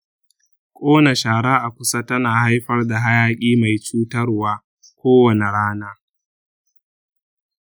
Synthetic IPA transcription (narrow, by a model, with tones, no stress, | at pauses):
kʷʼoː˦na˨ʃaː˨ɽaː˦ʔa˨kʷʊ˦sa˦tɐ˦naː˨ha˦jɸɐ˦rda˨ɦa˦jaː˦kʲʼiː˦ma˨jt͡ʃuː˦tɐ˦rwaː˦ | kʷoː˦wɐ˨ne˨ɽaː˦naː˦